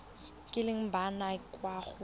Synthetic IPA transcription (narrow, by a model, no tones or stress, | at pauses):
kʼɪlɪŋ̩banakʼwaχʊ